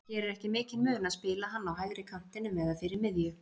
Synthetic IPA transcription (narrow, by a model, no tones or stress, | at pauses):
çɛɾɛɾɛhcɪmɪːcɪlmʏːnaðspɪːlaɦanːawɦajðɾɪkʰam̥t̪ɪnʏmɛðafɪɾɪɾmɪðjʏ